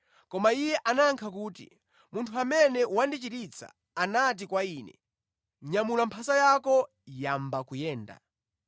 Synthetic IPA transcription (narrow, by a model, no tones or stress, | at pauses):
kɔmaijɛʔanaŋkʰak̬uːtḭ | muntʰuamɛnɛwandit͡ʃitit͡sʰa̰ː | nat̬ikwaiːnɛ̰ | ɲamulampʰasajakɔ | jambakujɛːnda̰